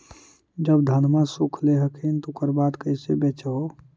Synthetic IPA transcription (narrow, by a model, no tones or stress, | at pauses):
d͡ʒəbd̪ʱənmãsukʰleɦəkʰint̪okəɾbad̪kəisebet͡ʃao